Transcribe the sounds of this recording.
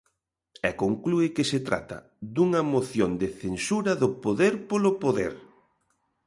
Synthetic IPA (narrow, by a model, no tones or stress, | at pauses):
ɛkoŋkluɪkɪset̪ɾa̰t̪ɐ̰ | d̪uŋɐmoθjond̪eθensuɾɐðʊpoðeɾpolʊpoðḛɾ